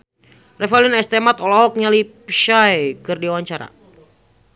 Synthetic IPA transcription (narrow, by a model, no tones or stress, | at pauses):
rɛfɛlinɛst̪ɛmat̪ɔlɔɦɔk̚ɲalipʃajkɨrdiwaɲt͡ʃaɾa̰